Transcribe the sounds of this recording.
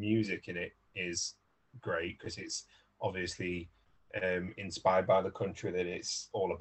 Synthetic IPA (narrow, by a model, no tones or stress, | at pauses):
mjʉːzɪkɪ̃nɪt | ɪz̥ | ɡ̥ɹeɪʔkʰɒzɪts | ʔɒbviəsli | ʔə̃mɪ̃nspaɪəd̚baɪðəkʰʌ̃nt͡ʃɹ̥iðəɾɪtsɔːləb